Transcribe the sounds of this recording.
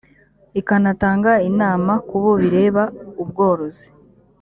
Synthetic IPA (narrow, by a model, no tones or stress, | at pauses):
ikanataːŋɡainaːmakuβo̞βiɾe̞ːβaubɡo̞ːɾo̞zi̥